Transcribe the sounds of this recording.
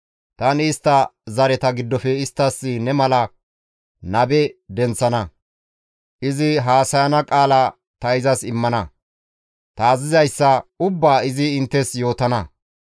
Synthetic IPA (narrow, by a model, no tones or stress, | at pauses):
t̪ɐnɪst̪ːɐzɐɾɛt̪ɐɡɪd̪ːɔfɛɪst̪ːɐsːɪnɛmɐlɐ | nɐbɛd̪ɛnt͡sːɐnɐ | ʔɪzɪɦaːsɐjɐnɐkʼaːlɐ | t̪ɐɪzɐsɪmːɐnɐ | t̪ɐːzɪzɐjsːɐʊbːaːɪzɪɪnt̪ːɛsjo̞ːt̪ɐnɐ